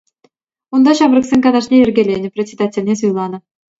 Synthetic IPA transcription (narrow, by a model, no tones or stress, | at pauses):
und̪ɑɕɑbrɤ̆ksʲenʲkɑnɑʂnʲeɘrʲɡʲelʲenʲɘ̆pʲrʲet͡sʲed̪atʲĕlʲnʲes̬ujlˠɑnɤ̆